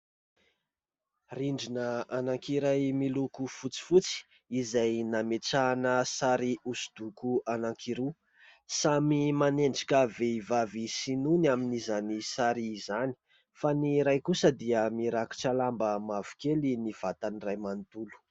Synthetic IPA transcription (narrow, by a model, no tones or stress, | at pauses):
riɳɖ͡ʐinəanaŋkiɾajmilukufut͡si̥fut͡si̥ | izajnameʈ͡ʂanəsaɾiusu̥d̪̥ukuanaŋkʰiɾu | samimaneɳɖ͡ʐi̥kaveivavisinunaminizanisaɾiːzani̥ | faniɾajkusəd̪iəmiɾaki̥ʈ͡ʂalambəmavu̥keliniv̥at̪anirajmant̪ulu̥